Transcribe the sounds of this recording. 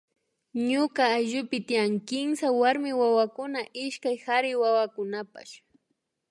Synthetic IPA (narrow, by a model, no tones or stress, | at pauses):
ɲʊkaːjʒʊpɪt̪ijaŋkɪmsawaɾmɪwawakʊnaʔɪʃkajxaɾɪwawakʊnapa̰ʃ